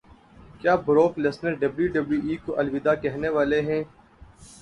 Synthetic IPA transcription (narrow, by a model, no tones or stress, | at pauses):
kjaːbʱʊɾoːklɪsnəɾɖɐbljuɖɐbljuːʔiːkoʔɐlʋɪd̪aːkɛɦneʋaːleɦɛ̃ː